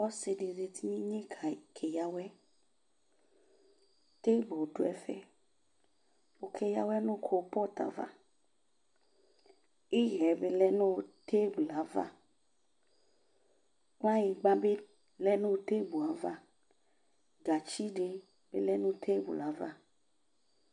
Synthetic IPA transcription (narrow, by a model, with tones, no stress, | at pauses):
wɔ˦se˨ɖe˨ze˨t̪i˦ɲĩ˦ɲẽ˦kʰa˨kʰe˨ja˦wɛ˦ | t̪e˦bo˨ɖo˦ɛ˦fɛ̰˦ | wo˨kʰe˨ja˦wɛ˦nũ˦kʰo˨˦pɔ˦t̪a̰˨va̰˦ | i˦ɣɛ˨be˦lɛ˦nũ˦t̪e˦bu˨la˨˦va̰˦ | ŋ˦ã˦ji˨ɡ͡ba˦be˦ | lɛ˦nũ˦t̪e˦bu˨a˨˦va˦ | ɡa˨t͡ʃi˦ɖe˦ | b̥e˦lɛ˦nũ˦t̪ʰe˦bu˨la˨˦va˦